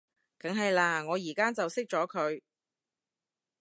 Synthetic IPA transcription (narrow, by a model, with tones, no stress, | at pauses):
kɐ˨˥ŋɦɐ˨jlaː˧ŋɔː˨˧jiː˨˩kaː˥t͡sɐ˨wsɪ˥k̚t͡sɔː˨˥kʰɵ˨˧ɥ